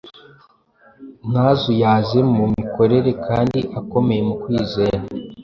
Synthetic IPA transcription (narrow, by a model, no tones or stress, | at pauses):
n̥haːzujaːze̞mumiko̞ɾe̞ɾe̞kʰaːndiʔako̞me̞je̞mukwiːze̞ːɾa